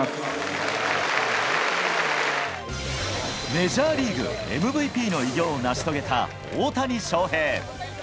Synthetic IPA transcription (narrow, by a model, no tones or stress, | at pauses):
me̞ʑaːɾʲiːɡɯ̰e̞̰mɯ̟bɯ̟ipʲiːno̞iɡʲo̞ːnaɕi̥t̪o̞ɡe̞t̪a̰ | oːt̪aɲ̟iɕo̞ːɦe̞ː